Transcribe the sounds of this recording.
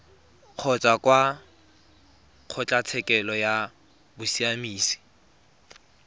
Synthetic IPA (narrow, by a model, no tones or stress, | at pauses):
q͡χʰɔt͡sʼakwa | q͡χʰʊt͡ɬʼat͡sʰɛkʼɛlɔja | bʊsiamiːsi̥